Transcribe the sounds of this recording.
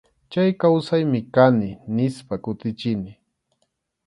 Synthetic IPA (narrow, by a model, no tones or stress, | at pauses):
t͡ʃajkawsajmɪkanɪnɪspakʊt̪ɪt͡ʃɪnɪ